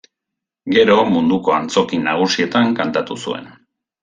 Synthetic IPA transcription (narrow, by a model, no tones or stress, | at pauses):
ɡe̞ɾo̞mund̪uko̞ant͡so̞kinaɣ̞usie̞t̪aŋkant̪at̪usue̞̰n